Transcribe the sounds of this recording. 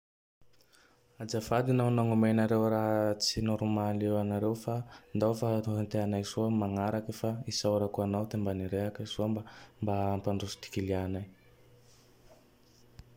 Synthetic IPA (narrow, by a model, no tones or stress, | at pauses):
ad͡ʒavad̪inanaŋumenaɾewɾaɦt͡sinuɾumaleanaɾewfand̪awfaɦint̪eanajzuəmaŋaɾakəfaisawɾakuanawd̪embaniɾeɦakəizuəmbambampaɳɖ͡ʐusu̥t̪i̥kilianaj